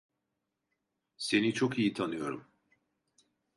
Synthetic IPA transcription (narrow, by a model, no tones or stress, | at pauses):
se̞nit͡ʃʰokijit̪ʰanɯjo̞ɾum